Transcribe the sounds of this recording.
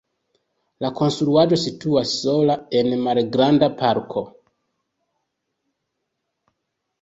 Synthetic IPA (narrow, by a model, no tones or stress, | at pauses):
lako̞nstɾuad͡ʒo̞situasːo̞lae̞nmalɡɾandapaɾkʰo̞